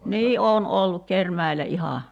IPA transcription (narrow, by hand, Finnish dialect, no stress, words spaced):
niː oːn olːuk kermæe̝læ ihɑˑ